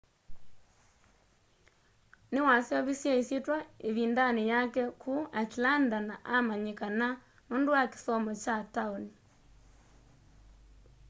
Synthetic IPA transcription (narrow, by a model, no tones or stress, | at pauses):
newasjɔβisjaisetwaeβindanejakɛkʰuatlandanaʔamaɲekana | nondowake̥sɔmɔt͡ʃataoni